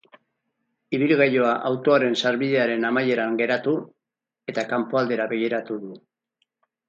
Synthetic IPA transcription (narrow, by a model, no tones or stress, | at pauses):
iβilɣajo̞aʔawt̪o̞aɾe̞nsaɾβið̞e̞aɾe̞namaje̞ɾaŋɡe̞ɾat̪u | e̞t̪akampoald̪e̞ɾaβe̞ɣiɾat̪uðu